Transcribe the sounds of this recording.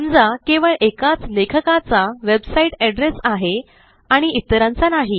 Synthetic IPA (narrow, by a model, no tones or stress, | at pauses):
md͡zakeʋəɭʔekat͡slekʰəkat͡saʋebsaiʈɛɖɾesaɦe | aɽ̃iit̪ːəɾãnt͡sanaɦi